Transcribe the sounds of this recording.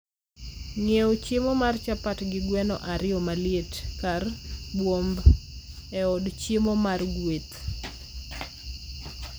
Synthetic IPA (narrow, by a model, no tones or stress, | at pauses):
ŋeot͡ʃemomart͡ʃapatɡɪɡwɛnɔ̰ʔaɾɪɔmaljetkarbwomb | ɛɔdt͡ʃemomarɡwet̪